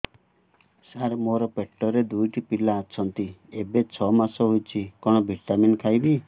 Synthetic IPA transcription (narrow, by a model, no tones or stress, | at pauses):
saɾmoɾɔpeʈːɔɾed̪ujʈipilaːt͡ʃʰɔnt̪iebet͡ʃʰɔmasɔɦojt͡ʃʰikɔɽ̃ɔbʱiʈaminkʰajbi